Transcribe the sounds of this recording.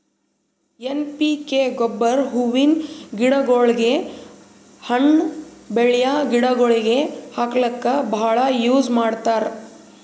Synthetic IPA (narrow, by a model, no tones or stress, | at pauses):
enpikeɡobːɐɾɦuʋinɡiɽɐɡoːɭɡe | hɐɳbeɭjaːɡiɽɐɡoɭiɡehaklɐkːɐbʱaːɭɐjuːd͡ʒmaːɽt̪aːɾ